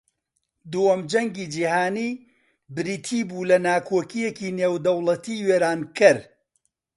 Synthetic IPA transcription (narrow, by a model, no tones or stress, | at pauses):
d̪uwɐmd͡ʒɐŋɡid͡ʒiːhaːniː | bɨɾiːt̪ʰiːbuːlɐnaːkʰoːkijekiːneːwd̪ɐwlˠɐt̪ʰiːweːɾaːnkɨɾ